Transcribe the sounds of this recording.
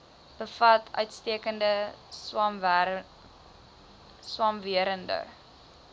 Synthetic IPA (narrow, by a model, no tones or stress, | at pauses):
b̥əfɐtʰœ̰ɥtstiəkəndə | swɐmviəɾəndə̰